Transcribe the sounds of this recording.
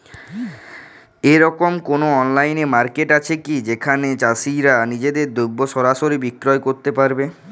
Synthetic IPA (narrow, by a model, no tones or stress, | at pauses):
eɾɔkomkonoɔnlajnemaɾkeʈat͡ɕʰekid͡ʑekʰanet͡ɕasiɾanid͡ʑed̪eɾd̪ubːoʃɔɾaʃoɾibikɾɔekoɾt̪epaɾbe